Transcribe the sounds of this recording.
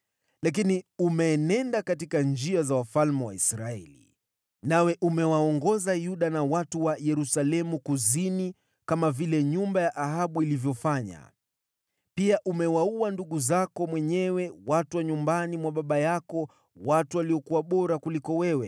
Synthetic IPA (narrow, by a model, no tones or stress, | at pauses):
lak̬iniumɛːnɛndakatikand͡ʒiazawafalmɛwa̰isɾaɛ̰lḭ | nawɛʔumɛwaɔŋɡɔzajuɗanawatuwajɛɾusalɛmukuzini | kamavilɛɲumbajaʔaɦaɓuilivjɔfaɲa̰ | piaʔumɛwauanduɠuzakɔmwɛɲɛwɛwatuwaɲumbanimwaɓaɓajakɔ | watuwaliɔkuwaɓɔɾakulikɔwɛwɛ